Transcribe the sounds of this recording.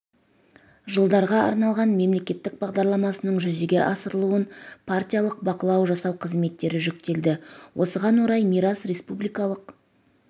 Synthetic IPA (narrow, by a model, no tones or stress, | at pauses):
ʒəlˠd̪ɑɾʁɑɑ̰ɾnɑlˠʁɑnme̞mle̞kʲe̞t̪ːɪk̚bɑʁd̪ɑɾlˠɑmɑsənəɴʒʏzeɡʲe̞ʔɑsəɾəlˠuwənpʰartʲijalˠəq̚bɑqəlˠɑwʒɑsɑwqʰəzme̞t̪ːe̞ɾɪʒʏk̚t̪e̞ld̪ɪwʔo̞səʁɑnwo̞ɾɑjmijɾasre̞spublijkɑlˠəq